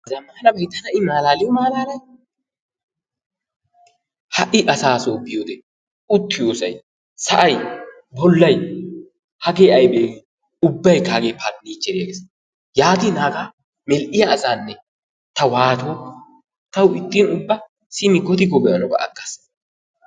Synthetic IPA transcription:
zɐmaːlɐbɐjt̪ːɐnɐɪmaːlaːlɪjɔmaːlaːlɐj | hɐʔɪʔɐsaːsoːbɪjod̪ɛ | ʊt̪ːɪjoːsɐ̰j | sɐʔɐj | bɔlːɐj | hɐɡeːʔɐjbeːɡ | ʊbːɐjkaːɡeːpɐnniːt͡ʃːɛɾɪjaɡeːs | jaːɡ̪iːnaːɡa | mɛlʔɪjaːsaːnːɛ | t̪ɐwaːt̪oː | t̪ɐwɪt̪ːiːnʊbːɐ | sɪmɪɡɔt̪ɪɡɔbɛjɐnɔbɐ̰ʔɐ̰kːɐs

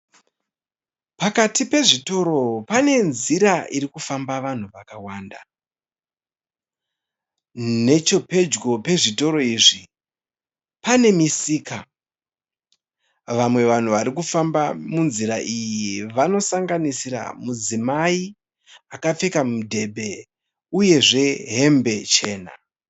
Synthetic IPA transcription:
pakatipe̞ʐito̞ɾo̞pane̞nziɾaʔiɾikufambaʋan̤uʋakawaːnda | ne̞t͡ʃo̞pe̞d͡ʒɡo̞pe̞ʐito̞ɾo̞iːʐi | pane̞misiːka | ʋamwe̞ʋan̤uʋaɾikufambamunziɾaʔijiiʋano̞saŋɡanisiɾa̰mud͡zimai | akap͡fe̞kamudʱe̞bʱe̞ | uje̞ʐe̞ɦe̞mbe̞t͡ʃe̞ːna̰

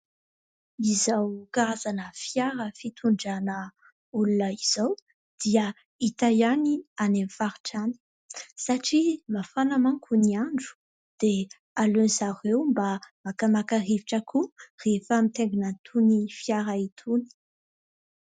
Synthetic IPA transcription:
izawkaazanəfjaɾəfit̪ʰuɳɖ͡ʐanə | ulunəiz̥aw | d̪̥iə | it̪ajanianemfaɾiʈ͡ʂani̥ | saʈ͡ʂimafanamaŋkʰuniaɳɖ͡ʐu̥ | d̪̥e | alønzaɾewmbamakamakaɾiviʈ͡ʂəkʰurefamit̪eŋɡunant̪ʰunifjaɾait̪ʰuni̥

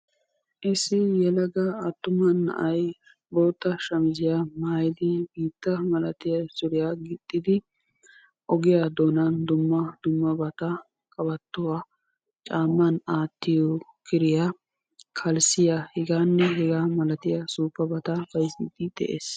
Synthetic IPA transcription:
ʔɪsɪjɛlɐɡɐɐt̪ːʊmɐnːɐ̰ʔɐj | bo̞ːt̪ːɐʃɐmɪd͡ʒɪjamaːjd̪ɪbiːt̪ːɐmɐlɐt̪ɪjɐsʊɾɪjaːɡɪt̪ʼːɪd̪ɪ | ʔɔɡɪjaːd̪oːnand̪ʊmːɐd̪̥ʊmːɐbɐt̪ɐ | kʼɐbɐt̪ːʊwaː | t͡ʃʼaːmːɐnaːt̪ːɪjoːkɪɾɪja | kʰɐlsɪjahɛɡaːnːɛɦɛɡaːmɐlɐt̪ɪjɐsuːpːɐbɐt̪ɐfɐjsɪd̪ɪd̪̥ɛ̰ʔḛːs

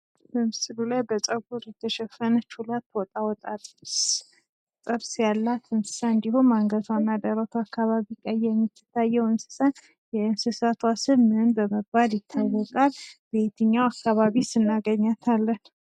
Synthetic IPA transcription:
bəmɨsɨlulajbət͡sʼəɡuɾjɛt̪ʰːəʃɛfənət͡ʃʰulat̪ːwɔt̪ʼawɔt̪ʼat̪ʼs | t̪ʼəɾsjalːat̪ɨnsɨ̥saɨnd̪ihumaŋɡət̪wanːad̪əɾət̪ʰuakːaβaβikʼəjːɛmːit̪ːɨ̥t̪ʰːajːɛwɨnsɨ̥san | jɛɨnsɨsat̪ʰwasɨβmɨnbəməbaljɪt̪ʰːawːɔkʼalbet̪ʰɨɲːawakːaβaβisɨnːaɡəɲːat̪ʰalːən

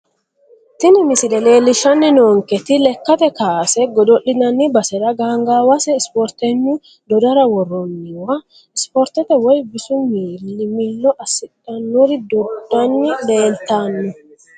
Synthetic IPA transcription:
t̪ɪnɪmɪsɪlɛle̞ːlːɪʃɐnːɛnoːŋkɛt̪ɪlɛkːɐt̪ɛkaːsɛɡɔd̪ɔʔɪnɐnːɪbɐsɛɾɐɡaːŋɡawɐsɛɪspɔɾt̪ɛɲːʊ | d̪ɔd̪ɐɾɐwɔrːɔnːɪwɐ | ɪspɔɾt̪ɛt̪ɛwɔjbɪsʊmiːlːɪmilːɔʔɐsɪᶑɐnːʊɾɪd̪ɔd̪ɐnːɪle̞ːlt̪anːʊ

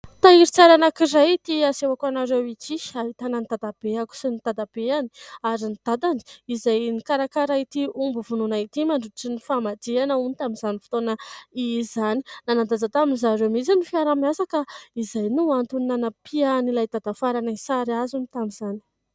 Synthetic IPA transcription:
t̪aiɾit͡saɾanakiɾajt̪iasewakanaɾewit͡siaɦit̪ananit̪ad̪ab̥eaku̥sinit̪ad̪ab̥eani̥aɾinid̪̥ad̪ani̥izajnikaɾakaɾait̪iumbuvununait̪imaɳɖ͡ʐuaʈ͡ʂinifamad̪eanəunit̪aminzanifi̥t̪onəizani̥nanad̪ad͡zat̪aminzaɾemit͡sinifiaɾamiasakaizajnuant̪uninanapʰianilajt̪ad̪afaɾanansaɾazunit̪amizani̥

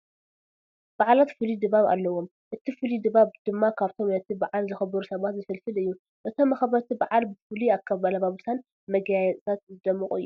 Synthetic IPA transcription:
baʕlat̪fɨlid̪ɨβaβa̰lːɐwom | ʔɨt̪ʰifɨlid̪ɨβaβd̪̥ɨmːakʰaβt̪ʰo̞mnɐt̪ʰibaʕalzɨxɐbɐɾusɐβat̪zɨfɐlfɨlɨjːu | ʔɨt̪ʰo̞mːɐxɐβɐt̪ʰibaʕalbɨfɨliakʰːɐβalɐβaβusʰan | mɐɡjajɛt̪ʼt̪ʰat̪zɨd̪ɐmːɨkʼɨ̰jːu

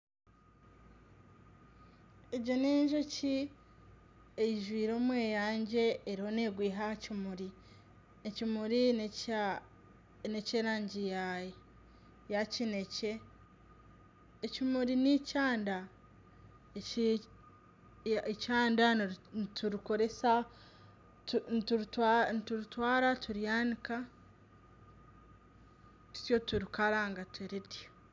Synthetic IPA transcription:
eɟo̞neːɲʒoci | ejiʒwiːɾo̞ːmwe̞ːjaːɲɟe̞ːɾiho̞neːɡwiːɦahacimuɾi | ecimuɾi | neceːɾaːɲɟijaje | jacine̞ce̞ | cimuɾinicaːnda | e | ecaːndatuɾiko̞ɾe̞sa | tunituɾtwanituɾitwaːɾatʰuɾjaːnika | tu̥tjo̞tuɾikalaŋɡatweɾedja

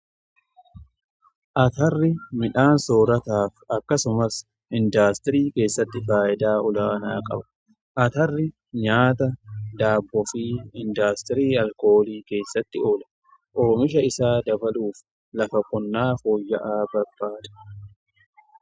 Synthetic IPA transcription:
ʔɐt̪ɐrːɪmɪᶑaːnsoːɾɐt̪aːfɐkːɐsʊmɐs | ɪnd̪aːst̪ɪɾiːke̞ːsːɐt̪ːɪfaːʔɪd̪aːɔlaːnaːkʼɐ̰bɐ̥ | ʔɐt̪ɐrːɪ | ɲaːt̪ɐd̪aːbːɔfiːɪnd̪aːst̪ɪɾiːɐlko̞ːliːke̞ːsːɐt̪ːɪo̞ːlɐ̥ | ʔoːmɪʃɐɪsaːd̪ɐbɐluːf | lɐfɐkʼɔnːaːfo̞ːjːɐʔaːbɐɾb̥aːd̪ɐ̥

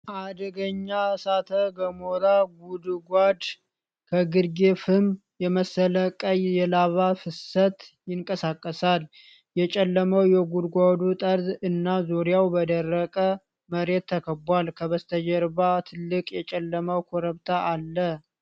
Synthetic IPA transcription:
ʔad̪əɡəɲːasat̪ʰəɡəmoɾaɡud̪ɡʷad̪ | kʰəɡɨd̪ɡefɨm | jɛməsələkʼəjjɛlaβafɨsət̪jɪŋkʼəsakʼːəsal | jɛt͡ʃʼɛlːəməwjɛɡud̪ɡʷad̪ut̪ʼəɾd̪ɨnːazoɾɪjawbəd̪ərːəkʼə | məɾe̞t̪ʰːəkʰəbalkʰəβəst̪ʰəd͡ʒɛɾβat̪ʰɨlːɨkʼjɛt͡ʃʼɛlːəməwkʰoɾəβt̪ʰaʔalːə

